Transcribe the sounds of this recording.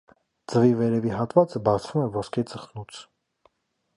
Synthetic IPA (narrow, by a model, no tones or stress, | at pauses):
d͡zəvivɛɾɛviɦɑt̪vɑt͡səbɑt͡sʰvumɛvɔskʰɛt͡səχnut͡sʰ